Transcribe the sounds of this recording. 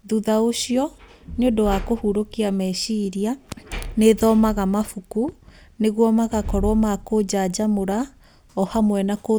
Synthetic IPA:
ðuðaoɕiɔ | neodɔwakohuɾokiamɛʃiɾianeðɔmaɣamafuku | neɣwɔmaɣakɔɾwɔmakod͡ʑad͡ʑamoɾa | ɔhamwɛnako

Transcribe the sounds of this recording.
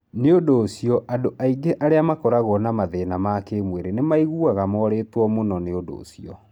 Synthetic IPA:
neodoːsiɔʔadoʔaiɡeʔaɾeamakɔɾaɣɔnamaðenamakemweɾenemaiɣuaɣamɔɾeːtwɔmonɔneodo̰siɔ

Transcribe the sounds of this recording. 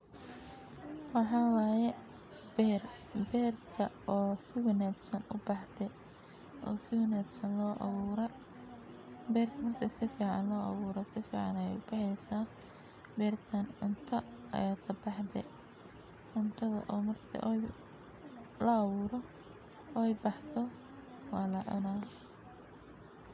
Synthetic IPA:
wɑħɑːwɑːjɛ | bɛr | bɛːrkʰɐʔɔːsɪwɐnaːd̪sɐnʊbɑħd̪ɛ | ʔɔ̰ːsɪwɛnaːd̪sɐnlɔːʔɑ̰βuːɾɛ | bɛːrʰmɐrt̪ʰɐsɪfiːʕɑ̰nlɔːʔɑ̰βuːɾɛsɪfḭːʕɑ̰nɛjɛ̰jʊb̥ɑħɛjsaː | bɛːrt̪ʰɐnʕʊnt̪ʰɐɐ̰jaːlɐbɑħd̪ɛ̰ | ʕʊnt̪ʰɐðɐ̰ʔɔːmɐrt̪ʰɐ̰ʔj | lɐːβuːɾɔː | ɛjbɑħt̪ʰɔ | wɑːlɐʕɪ̰na

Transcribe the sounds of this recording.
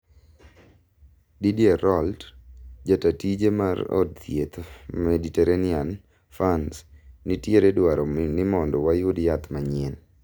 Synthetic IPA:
didieɾɔldd͡ʒatatid͡ʒemaɾɔ̰d̚t̪jet̪mediteɾanɪan | fansnitjeɾedwaɾɔnɪmɔndɔwajʊdjat̪maɲen

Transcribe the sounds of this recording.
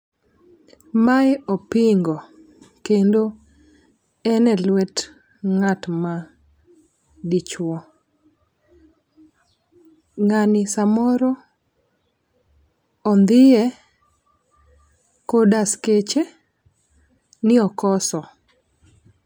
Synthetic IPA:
majɔpɪŋɡo | kendo | ɛnɛlwɛt | ŋatma | dit͡ʃwɔ | ŋanɪsamɔɾɔ | nd̪ɪɛ | kodasket͡ʃe | nɪɔkɔsɔ

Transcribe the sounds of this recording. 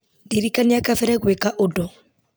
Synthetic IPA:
diɾikaniakafɛɾɛɣwɛkaʔodɔ

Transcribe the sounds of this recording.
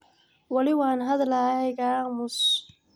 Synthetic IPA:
wɑlɪwɑːnɦɐðlaɛɣaːmʊs

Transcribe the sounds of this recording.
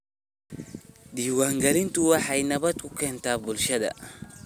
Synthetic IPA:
d̪iːwaːŋɡɐlɪnt̪ʊwɑħɑjnɐβɐt̪̚kʰʊkʰɛːnt̪ʰaːbʊlʃɐðɐ̰

